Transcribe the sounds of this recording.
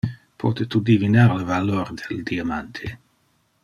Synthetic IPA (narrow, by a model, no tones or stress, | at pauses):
pʰɔːt̪et̪ud̪ivinaɾləvalɔɾd̪ɛld̪iamant̪ʰe